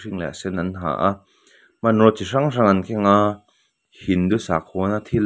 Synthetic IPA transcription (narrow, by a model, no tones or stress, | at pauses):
riŋlɛ̰sɛnanɦa̰ːʔa | manrɔt͡siraŋraŋankʰɛŋa | hind̪usak̚ʰɔnat̪ʰil